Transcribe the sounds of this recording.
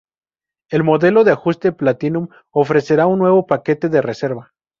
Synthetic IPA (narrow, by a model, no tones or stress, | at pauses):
e̞lmo̞ðe̞lo̞ðeaxust̪e̞plat̪inũm | o̞fɾe̞se̞ɾaunːwe̞βo̞pake̞t̪e̞ðe̞re̞se̞ɾβa